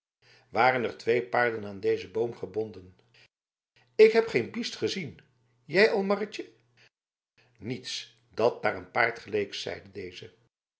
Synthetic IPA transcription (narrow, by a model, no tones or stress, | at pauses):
ʋaːrənərtʋejpaːɹdənaːndejzəbowmχəbɔndən | ɪkɦɛpχejnbistχəzin | jɛjɑlˠmɑrət͡ʃə | nits | d̥ɑt̚daːrənpaːɹtχəlejksɛ̰jdədejzə